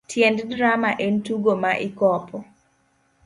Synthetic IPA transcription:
tʰjɛnddɾamaʔentuɡomaʔikɔpɔ

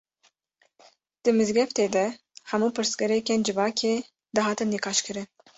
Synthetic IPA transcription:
d̪̥ɨmɨzɡɛft̪eːd̪ɛ | hɛmuːpʰɨɾsɡɛɾɛkend͡ʒɨvɑːkʰeː | d̪ɨɦɑːt̪ɨnːikʰɑːʃkɨɾɨn

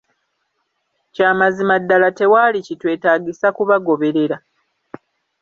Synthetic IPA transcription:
caːmazimadːalate̞waːlicitwe̞ːtaːɟisakuβaɡo̞βe̞ɾe̞ɾa

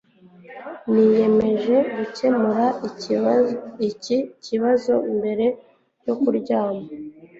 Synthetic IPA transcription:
nije̞me̞ʒe̞ɡuce̞muɾa | iciβazo̞imbe̞ɾe̞ | jokuɾɟaːma

